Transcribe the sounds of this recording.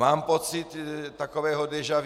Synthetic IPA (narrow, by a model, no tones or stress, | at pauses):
aːmpot͡sɪt̪ːakovɛːɦodɛʒav